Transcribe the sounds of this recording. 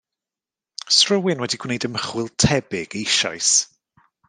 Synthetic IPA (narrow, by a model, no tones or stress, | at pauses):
srəwɪnwɛdiɡ̥wnejdəməχwɪlˠtʰɛbɪɡ̥əɪʃɔ̰js